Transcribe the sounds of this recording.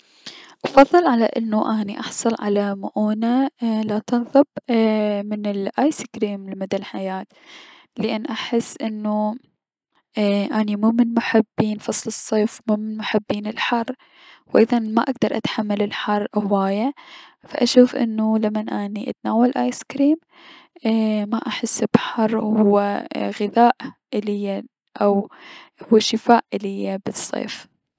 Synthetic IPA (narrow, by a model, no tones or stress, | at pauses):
ʔɑfɑðˤːɨlʕalaʔɪnːuʔaːniʔɑħsˤɑlʕa̰lamʊʔuːnalat̪ɨnðˤɨb̚ | mɪnɪlʔaːjskɾiːmlɪmʊd̪alħajaːt̪ | lɪʔanːʔaħɪsːʔɪnːu | ʔanimuːmɪnmʊħɪbːiːnfɑsˤlɨsˤːeːfmuːmɪnmʊħɪbːiːnɪlħɑrˤː | wʔɪðɑnmaʔaɡ̚d̪ɑɾˤʔa̰t̪ħamːalɪlħɑrˤːʔawaːjafa̰ʔaʃuːfʔɪ̰nːulamːanʔaniʔa̰t̪naːwalʔaːjskɾiːm | maʔaħɪsːb̥ħɑrˤːhʊwːaɣɪðaːʔʔɪlɪjːa | ʔawhʊwːaʃɪfaːʔʔɪlɪjːabɨsˤːḛːf